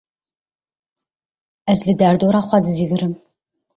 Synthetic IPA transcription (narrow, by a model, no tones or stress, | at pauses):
ɐzɮɨdaːrdoɾaːχʷɑdɨziːɣɨɾɨm